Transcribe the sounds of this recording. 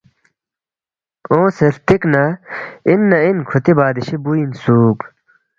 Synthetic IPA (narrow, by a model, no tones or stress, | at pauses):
õːselt̪iknɐinːɐinkʰut̪ibaːd̪iɕibuinsuːk